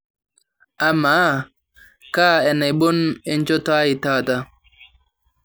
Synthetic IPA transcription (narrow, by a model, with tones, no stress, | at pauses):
ʔa˨ma˨˦ | ka˦ɛ˨na˨jɓo˦nɛ˦nt͡ʃɔ˦ta˦i˨taː˦˨ta˦